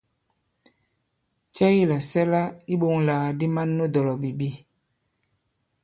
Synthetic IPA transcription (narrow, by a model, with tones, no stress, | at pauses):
t͡ʃɛ˦ji˦˨la˨sɛ˦la˦i˦ɓo˨ŋla˨a˨di˦ma˦nːo˦dɔ˨lɔ˨bi˨bi˦